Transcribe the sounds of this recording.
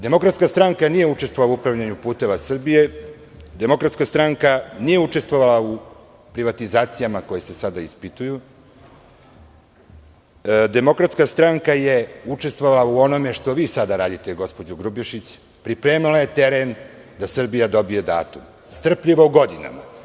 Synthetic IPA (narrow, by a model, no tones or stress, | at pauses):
d̪emo̞kɾat̪skast̪ɾaŋkanije̞ut͡ʃest̪voalauupɾavʎaɲupuːt̪e̞ʋasr̩bije̞ | d̪e̞mo̞kɾat̪skast̪ɾaŋkanije̞ut͡ʃe̞st̪vo̞ʋalau | pɾiʋat̪izaːt̪sijamako̞jese̞sad̪aispit̪uju | d̪emo̞kɾat̪skast̪ɾaŋkaje̞ut͡ʂe̞st̪ʋoʋalauo̞no̞me̞ʂt̪o̞ʋiːsad̪aɾaːd̪it̪eɡo̞spo̞d͡ʑuɡɾubjeʃit͡ɕ | pɾipɾeːmilaje̞t̪e̞ɾen | d̪asr̩bijad̪o̞bije̞d̪a̰ːt̪um | st̪r̩pʎiʋouɡo̞d̪ina̰ma̰